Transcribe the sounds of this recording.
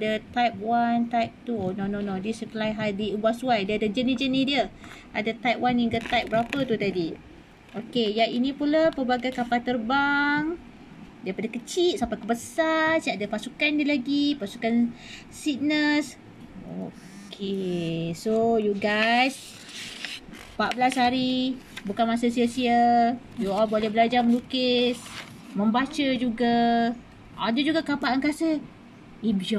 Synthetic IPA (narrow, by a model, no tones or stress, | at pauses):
adət̪ajp̚want̪ajp̚t̪uonononõdiəsəkəlajɦadiubasuajdiadəd͡ʒənid͡ʒənidiəʔadat̪ajp̚wanaŋɡət̪ap̚bəɾapət̪ut̪adi | ʔokejaʔinĩpulapəbaɡajkapat̪ərbaŋ | daipadakət͡ʃit̪̚sampakəbəsarsiaʔdapasukandiəlaɡipasukan | sik̚nəs | o | kʰesojuɡajs | paʔbəlasɦaɾibukanmas̬əsiəsiə | juɔlbolɛhbəlad͡ʒarməlukɪs | mə̃mbat͡ʃəd͡ʒuɡa | ʔa̰dəd͡ʒuɡakapaʔaŋkasə | imd͡ʒɔ